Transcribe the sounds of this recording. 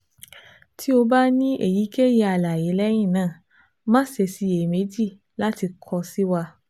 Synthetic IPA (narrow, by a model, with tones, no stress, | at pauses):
tʰi˦o˧ba˦nĩ˦ʔḛ˨ji˨˦ke˦je˧˦a˧la˨je˨˦lɛ˦j̃ĩ˦˨nãː˦˨ | mã˦se˧si˨˦e˨me˨˦d͡ʒi˦˨ | la˦ti˧kʰɔ˧si˦wa˧